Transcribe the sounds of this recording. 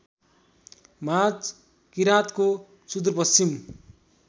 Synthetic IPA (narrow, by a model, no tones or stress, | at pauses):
mat͡s | kiɾat̪ko | sud̪rpʌst͡ɕim